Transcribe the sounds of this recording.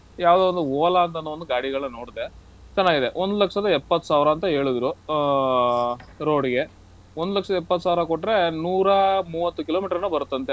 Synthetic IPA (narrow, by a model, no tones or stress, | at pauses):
jaːʋd̪eond̪uɔːlaːnt̪ɐnːɐʋond̪uɡaːɽiɡɐɭnɐnoːɽd̪e | t͡ʃɐnːaːɡid̪eʔond̪ulɐkʂɐd̪ɐɛpːɐt̪ːu̥saːʋɾɐːnt̪ɐɦe̞ːɭud̪ɾu | ɾo̞ːɽɡe̞ | ond̪ulɐkʂɐd̪ɐɛpːɐt̪ːu̥saːʋɾɐkoʈːɾe̞nuːɾɐmuːʋɐt̪ːukiloːmiːʈɐɾɐnːubɐɾut̪ːɐnt̪e